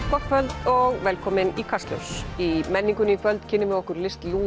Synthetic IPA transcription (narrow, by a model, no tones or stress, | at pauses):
pʰɔfœlt̪ɔɣvɛːlkʰɔːmɪnikʰast̪lʲo̰wsimɛnːiŋkʏnikʰvœlt̪cʰɪnːɪmvɪɔhkʏɾlɪst̪luː